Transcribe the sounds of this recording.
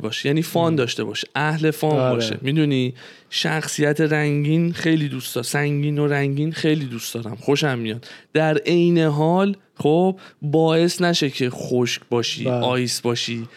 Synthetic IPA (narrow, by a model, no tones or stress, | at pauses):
bɒːʃjæniːfɒːnd̪ɒːʃt̪e̞bɒ̰ːʃe̥ʔæhle̞fɒːnbɒːʃḛmid̪uni | ʃæxsijæt̪ʰe̞ɾæŋɟiːnxe̞jliːd̪usd̪ɒːsæŋɟiːno̞ɾæŋɟiːnxe̞jliːd̪usd̪ɒːɾæmxo̞ʃæmːijɒd̪d̪̥æɾejne̞ɦɒːl | χob̥bɒːje̞snæʃe̞cʰe̞xoʃcbɒːʃḭːʔɒːjsbɒːʃiː